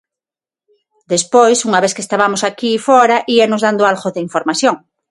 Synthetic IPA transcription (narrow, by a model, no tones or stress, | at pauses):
d̪espojsuŋaβeθkest̪aβamosakiːfoɾaʔienozðand̪oalɣoðeiɱfoɾmaθjoŋ